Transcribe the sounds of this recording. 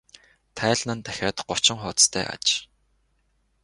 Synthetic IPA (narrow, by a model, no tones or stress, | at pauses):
t̪ʰæːɮnə̆nt̪æxʲaːt̪ɢ̥ʊ̥t͡ɕɪ̆ŋχʊːt͡s̪t̪ʰæ̰ːʔa̰t͡ɕ